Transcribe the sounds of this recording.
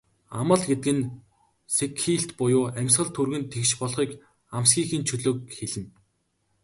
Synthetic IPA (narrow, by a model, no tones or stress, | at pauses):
amə̆ɮɡet̪ɘ̆kɘ̆n | sekxiːɬt̪pʊjʊːæmʲsχə̆ɮt̪ʰurɣɘ̆nt̪ʰekʃpɔɮχiːk | amsɡʲiːxiːnt͡ɕʰɵɮoːk̚xeɮɘ̆n